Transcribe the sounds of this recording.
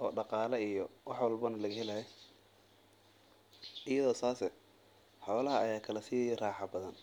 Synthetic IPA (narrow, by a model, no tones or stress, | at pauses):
ʔɔːɖɑqɑːlɐijɔwɑħwɐlbɐnɐlɐɣɐhɛlɐjɛ | ɪjɐðɔːsaːsɛ | ħɔːlɐɦɐːjaːkʰɐlɐsiːjɛjɛraːħɑbɐðɐn